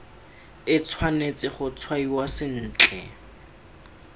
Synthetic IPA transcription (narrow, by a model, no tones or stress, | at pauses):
ɪt͡sʰwanet͡sɪχʊt͡sʰwaiwasɪn̩ːt͡ɬʼɛ